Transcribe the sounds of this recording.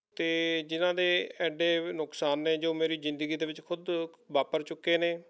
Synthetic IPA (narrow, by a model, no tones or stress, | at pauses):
t̪eːd͡ʒɪnãːd̪eːɛːɖeːnʊksaːnːeːd͡ʒoːmeːɾiːzɪnd̪ɡiːd̪eːʋɪt͡ʃkʰʊd̪ʋaːpəɾt͡ʃʊkːeːneː